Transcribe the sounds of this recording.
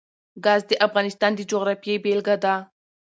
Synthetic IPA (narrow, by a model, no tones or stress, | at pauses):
ɡɑzd̪əʔafɣɑnɪst̪ɑnd̪əd͡ʒoɣɾɑfjejbelɡad̪a